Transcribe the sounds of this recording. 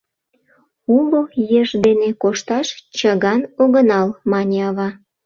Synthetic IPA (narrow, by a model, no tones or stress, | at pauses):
uɣojeʒd̪enekoʃt̪ɑʃt͡ɕɑɣɑnoɣənɑlmɑnʲeɑβɑ